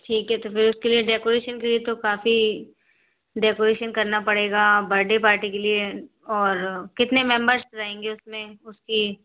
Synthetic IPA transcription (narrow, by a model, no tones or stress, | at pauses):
ʈʰiːkɦɛt̪ofɪɾʊskelieɖeːkoːɾeːʃənkeliet̪okaːfi | ɖeːkoɾeːʃənkɐɾnapɐɽeːɡabɐɾɖepaːɾʈikelie | ɔːɾkɪt̪nemɛ̃mbəɾsɾaẽːŋɡeʊsmẽʊski